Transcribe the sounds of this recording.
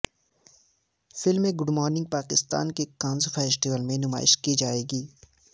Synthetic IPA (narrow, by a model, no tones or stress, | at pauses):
fɪlmẽɡʊɖmɔːɾnɪ̃ŋɡ̚paːkɪst̪a̰ːnkekãːnzfʰɛːsʈiʋəlmẽnʊma̰ːɪ̰ʃkid͡ʒaːeːɡiː